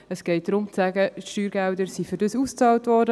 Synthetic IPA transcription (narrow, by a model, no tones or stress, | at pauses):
əsɡ̥ɛɪt̚d̥ɾʊmt͡sæɡəʃtyːɾɡældəɾsifʏɾdəsust͡sɑːltʋɔɾdə